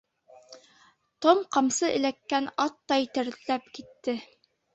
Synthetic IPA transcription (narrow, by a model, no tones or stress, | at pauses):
t̪omqɑmsɤʔɘ̆lækːænɑt̪ːɑjit̪ɘ̆ɾðɘlæpkit̪ːɘ